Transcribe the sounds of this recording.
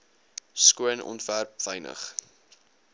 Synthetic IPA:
skuənɔ̰ntværpv̥əjnə̰χ

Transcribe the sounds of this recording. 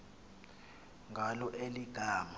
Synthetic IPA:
ŋɡʱalɔʔeliɡ̥ʱaːma

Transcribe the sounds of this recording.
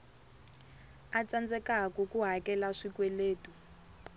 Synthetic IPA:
at͡sand͡zɛkakukuɦakɛlaʂikwɛleːtu

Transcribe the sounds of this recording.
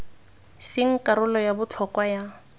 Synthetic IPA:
sɪŋ̩kʼaɾʊlɔjabʊt͡ɬʰɔkwaja

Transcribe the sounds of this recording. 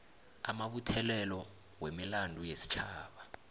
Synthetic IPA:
amaɓutʰɛlɛlɔ | wemilandʱujesi̥t͡ʃʰaːɓa

